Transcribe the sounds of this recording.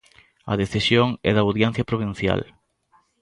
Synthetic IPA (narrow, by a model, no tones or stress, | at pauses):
ɐ̰ðeθisjoŋɛ̰ðɐuðjɛn̟θjɐpɾoβ̞in̟θja̰l